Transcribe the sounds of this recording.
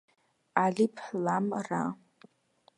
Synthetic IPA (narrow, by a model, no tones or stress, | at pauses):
alipʰlamra